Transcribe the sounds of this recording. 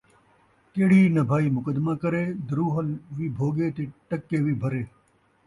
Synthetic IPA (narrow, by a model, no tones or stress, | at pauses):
k̪eːɽ̤iːnɐbʱaːiːmʊkəd̪maːkɐɾeːd̪əɾuːɦəlʋiːbʱoːɡeːt̪eːʈɐkːeːʋiːbʱɐɾeː